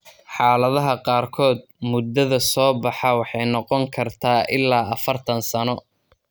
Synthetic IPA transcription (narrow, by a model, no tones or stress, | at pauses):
ħɑːlɐðɐɦɐqɑːrkʰɔːd̪̚ | mʊd̪ɐðɐsɔːbɑħɑwɑħɑjnɔqɔŋkʰɐrt̪ʰaːʔɪlːaːɐfɐrt̪ʰɐnsɐnɔ